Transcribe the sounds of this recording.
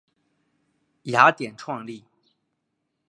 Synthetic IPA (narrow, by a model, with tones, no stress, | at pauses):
ja˧˥t̪jɛ˨˩nʈ͡ʂʰwɑ˥˧ŋli˥˩